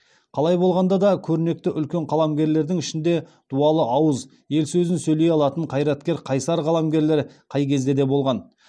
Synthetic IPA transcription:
qʰɑlˠɑjbo̞lˠʁɑnd̪ɑd̪ɑkʲʰɵɾɪne̞k̚t̪ɪʔʏlkʲe̞ɴqʰɑlˠɑmɡʲe̞ɾle̞ɾd̪ɪŋɪʃɪnd̪e̞d̪̥uɑlˠəʔɑwəz | je̞lsɵzɪnsɵjle̞jɑlˠɑt̪əɴqʰɑjɾɑt̪kʲe̞ɾqʰɑjsɑɾʁʰɑlˠɑmɡʲe̞ɾle̞ɾqʰɑjkʲʰe̞zd̪e̞d̪e̞bo̞lˠʁɑn

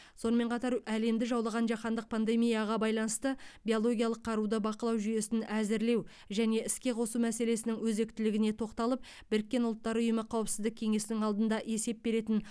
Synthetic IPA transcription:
so̞nəme̞ɴqʰɑt̪ɑɾæle̞md̪ɪʒɑwlˠɑʁɑnʒɑχɑnd̪əq̚pʰand̪e̞mijɑʁɑbɑjlˠɑnəst̪əbijo̞lˠo̞ɡʲijɑlˠəqʰːɑɾud̪əbɑqəlˠɑwʒyje̞sɪnæzɪɾle̞w | ʒæne̞ɪskʲe̞qʰo̞sumæse̞le̞sɪnɪŋwɵze̞kt̪ɪlɪɡʲɪne̞t̪ʰo̞qt̪ɑlˠəp̚ | bɪɾɪk̚ʲːe̞nʊlˠt̪ːɑɾʊjəməqʰɑwəpsɪzd̪ɪkʲʰe̞ŋe̞sɪnɪŋɑlˠd̪ənd̪ɑʔe̞se̞p̚be̞ɾe̞t̪ɪn

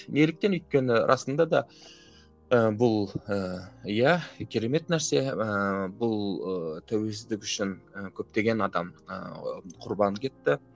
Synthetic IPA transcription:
ne̞lɪk̚t̪e̞nʏjt̪̚kʲe̞nɪɾʔɑ̰sənd̪ɑd̪ɑ | əbʊlˠəjækʲʰe̞ɾe̞me̞t̪næɾse̞əbʊlˠət̪ʰæwe̞ls̬ɪzd̪ɪkʲʏʃɪŋəkʲʰɵp̚t̪e̞ɡʲe̞nɑd̪ɑmə̰qʰʊɾbɑnkʲʰe̞t̪ːɪ

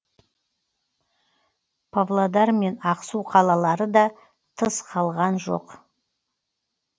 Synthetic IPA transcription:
pʰavlˠod̪ɑɾme̞nɑqsuqʰɑlˠɑlˠɑɾəd̪ɑ | t̪ʰəsqʰɑlˠʁɑnʒo̞̰q

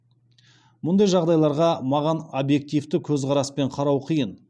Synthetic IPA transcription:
mʊnd̪ɑjʒɑʁd̪ɑjlˠɑɾʁɑmɑʁɑnobje̞k̚t̪ijft̪ɪkʲʰɵzʁɑɾɑspe̞ɴqʰɑɾɑwqʰijən

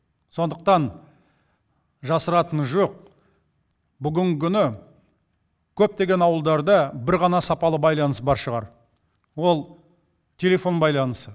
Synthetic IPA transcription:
so̞nd̪əq̚t̪ɑn | ʒɑsəɾɑt̪ənʒo̞q̚ | bʏɡʲɪŋɡʲɪkʲʏnɪ | kʲʰɵp̚t̪e̞ɡʲe̞nɑwəlˠd̪ɑɾd̪ɑbɪɾʁɑnɑsɑpɑlˠəbɑjlˠɑnəs̬bɑɾʃəʁɑ̰ɾ | wo̞lˠ | t̪ʲʰe̞le̞fo̞nbɑjlˠɑnəsə

